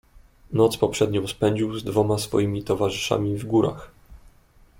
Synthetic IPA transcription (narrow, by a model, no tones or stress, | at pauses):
nɔt̪spɔpʂɛd̪ɲɔ̃w̃spɛɲd͡ʑiwzd̪vɔmasfɔ̰jimʲit̪ɔvaʐɘʂa̰mʲivɡuɾa̰x